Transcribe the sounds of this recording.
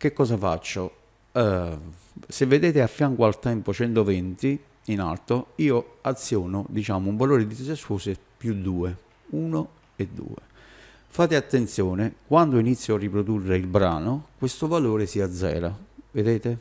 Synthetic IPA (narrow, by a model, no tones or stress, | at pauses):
k̟ekːɔːsafa̰t͡ʃːo | ɛ | sevːed̪eːt̪ɪafːjaŋkwalt̪ɛmpot͡ʃɛnt̪ovɛnt̪i | ina̰lt̪oiːoat̪sːjɔːnʊd̪it͡ʃaːmʊuɱvaloːɾɪd̪id̪isesoːsepjud̪ːuːe | uːno | ed̪ːṵːḛ | faːt̪ɪat̪ːent̪sjɔːnɪkwand̪oinit̪sːjoarːipɾod̪urːeilbɾaːnokwest̪ovaloːɾɪsiad̪zːɛ̰ːɾaved̪eːt̪ɪ